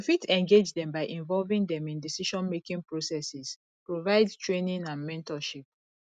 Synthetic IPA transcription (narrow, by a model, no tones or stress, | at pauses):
ufitɛ̃ŋɡed͡ʒdɛ̃mbaɪʔĩɱvɔlvĩŋdɛ̃mĩndisiʃɔ̃nmekĩŋpɹosɛsis | pɹovaɪdtɹenĩnãnmɛ̃ntɔʃip̚